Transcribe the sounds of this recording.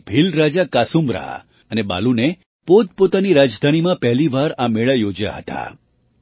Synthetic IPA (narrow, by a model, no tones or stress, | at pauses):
bʱilɾad͡ʒakasumɾa̰ɦa̰ | əneba̰lune | pod̪̚pot̪aniɾad͡ʒd̪ʱanimãpɛɦliʋaɾameɭəjod͡ʒja̰ɦə̰t̪a̰